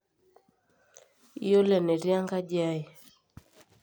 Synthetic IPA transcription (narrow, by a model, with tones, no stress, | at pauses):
i˦jo˦lɛ˨nɛ˨ɾja˦ŋɡa˦d͡ʒa˦i˨